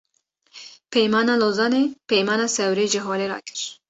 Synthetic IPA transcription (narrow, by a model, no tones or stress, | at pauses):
pɛjmɑːnɑːloːzɑːneːpɛjmɑːnɑːsɛwɾeːʒɪɦoːɾeɾɑ̰ːkɨ̥ɾ